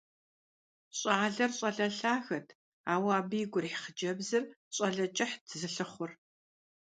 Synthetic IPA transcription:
ɕʼaːɮɐrɕʼɐɮɐɬaːxɐtʰ | aːwaːbɨjɪɡʷʊrħχəd͡ʒɐbzɨrɕʼɐɮɐt͡ʃʼɐħdʰzɨɬɨχʷʊr

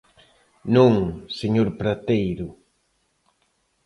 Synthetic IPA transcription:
nũŋseɲoɾpɾat̪ejɾʊ

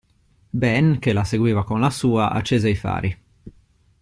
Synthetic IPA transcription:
bɛnkelaseɡwiːvakonlasuːaʔa̰t͡ʃːeːzeifa̰ːɾi

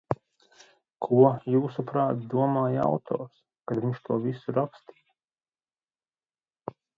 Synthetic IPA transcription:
kʰuɔjuːsupɾaːt̪d̪uɔmaːja̰wt̪ʰɔ̰ːɾs | kad̪viɲʃt̪ʰuɔvisuɾakst̪iː

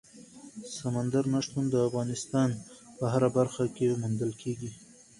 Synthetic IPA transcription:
samand̪aɾnaʂt̪und̪əafɣɑnɪst̪ɑnpəɦaɾabaɾxakemund̪əlkʰeɡi

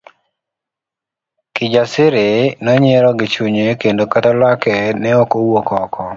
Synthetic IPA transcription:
kɪd͡ʒasɪɾɪnɔɲeɾɔɡɪt͡ʃuɲekendokatalwakɛnɛɔkowokɔkʰɔ

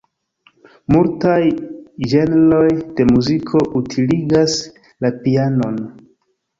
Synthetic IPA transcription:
multajd͡ʒe̞nlo̞jd̥e̞muzikʰo̞ʔutʰiliɡas | lapiano̞n

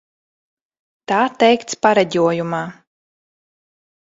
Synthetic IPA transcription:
t̪aːt̪ɛjkt̪spaɾɛɟʲuɔjumaː

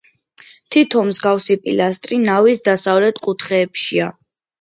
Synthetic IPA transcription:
t̪ʰit̪ʰɔmzɡafsipʼḭlast̪ʼɾinavisd̪asavlɛt̪ʰkʼut̪ʰχɛːpʃia

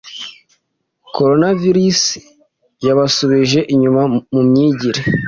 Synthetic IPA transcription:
ko̞ɾo̞naviɾis | jaβasoβiʒe̞ʔiɲumamumɲiːɟiɾe

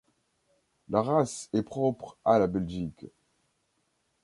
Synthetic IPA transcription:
laʁasɛpχɔpχalabɛlʒik

